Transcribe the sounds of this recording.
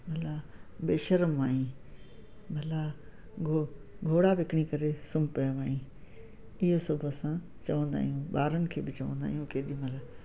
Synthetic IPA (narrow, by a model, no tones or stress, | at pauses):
mʱɐlaːbeːʃəɾəmʋaːĩ | mɐla | ɡʱo | ɡʱoːɽaʋɪkɪɽ̃ikɐɾesʊmpɐjʋaːɦĩː | ɪɦosʊbʱəsã | t͡ɕɐʋə̃nd̪a̰ːɦijũːɓaːɾənɪ̆kʰeːbɪt͡ɕɐʋə̃nd̪a̰ːɦijũːkeːɗĩmɐlaː